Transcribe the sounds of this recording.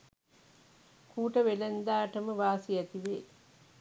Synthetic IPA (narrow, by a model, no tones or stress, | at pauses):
kuːʈːɐʋɛlɐnd̪aːʈːɐmɯʋaːsijɐt̪ːiʋeː